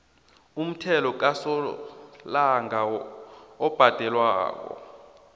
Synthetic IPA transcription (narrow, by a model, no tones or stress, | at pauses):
um̩tʰɛlɔk̬asɔ | laŋa | ɔb̥ʱad̥ʱɛlwa̰ːk̬ɔ̰